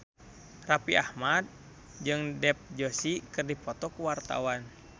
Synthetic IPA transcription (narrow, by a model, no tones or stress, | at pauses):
rapiahmad̪̚ | d͡ʒɨŋdɛp̚d͡ʒosikɨrdipɔt̪ɔkuwart̪a̰wan